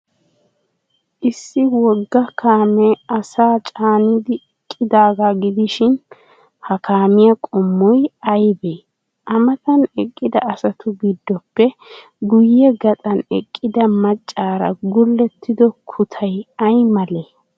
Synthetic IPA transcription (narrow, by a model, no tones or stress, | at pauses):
ʔɪsːɪwɔɡːɐkʰaːmɛɐsaːt͡ʃʼaːnɪd̪ɪ | kʼːɪd̪aːɡaɡɪd̪ɪʃɪn | hɐkʰaːmɪjɐkʼɔmːɔjɐjbeː | ʔɐmɐt̪ɐnɛkʼːɪd̪ɐ̰ɐsɐt̪ʊɡid̪ːɔpːɛ | ɡʊjːɛɡɐt̪ʼɐnɛ̰kʼːɪd̪ɐmɐt͡ʃʼːaːɾɐ̰ɡʊlːɛt̪ʰːɪd̪ɔkʰʊt̪ʰɐjɐjmɐleː